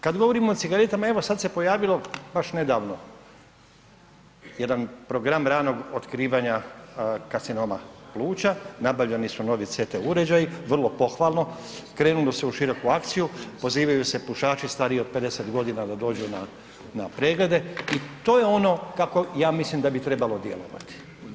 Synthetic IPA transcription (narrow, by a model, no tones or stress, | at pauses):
kad̪ɡo̞ʋoɾimoːt̪siɡaɾe̞t̪amae̞ʋosad̪se̞po̞jaːʋilo̞baʃne̞d̪aːʋno̞ | je̞d̪anpɾo̞ɡɾamɾaːno̞ɡot̪kɾiːʋaɲa | kasino̞maplˠuːt͡ɕanabaʋʎenisuno̞ʋit̪set̪euɾe̞d͡ʑajiʋr̩lˠo̞po̞xʋaːlˠno̞kɾe̞ːnulose̞uʃiɾo̞kuakt̪sijupo̞ziːʋajuse̞puʃaːt͡ʃist̪aːɾiiod̪̚pe̞d̪e̞set̪ɡo̞d̪inad̪ad̪o̞ːd͡ʑuna | napɾe̞ːɡle̞d̪e̞it̪o̞ːjeo̞no̞kako̞jaːmislimd̪abit̪ɾe̞balod̪je̞̰lo̞̰ʋa̰t̪i̥